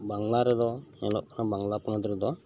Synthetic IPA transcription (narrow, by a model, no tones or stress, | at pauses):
baŋlaɾɛd̪ɔnɛlɔʔkʰanabaŋlapɔnad̪ɔɾɛd̪ɔ